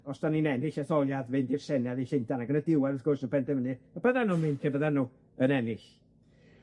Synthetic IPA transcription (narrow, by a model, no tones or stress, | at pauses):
ɔsd̥aninɛnɪɬɛθɔlˠjaðvɨndɪrsɛnɛðiɬɪntʰanaɡənədɪwaɾəθɡ̥ʊrsnupʰɛndɛvənɨɔbəðanuːnmɨnkʰebəðanuː | ənɛnɪɬ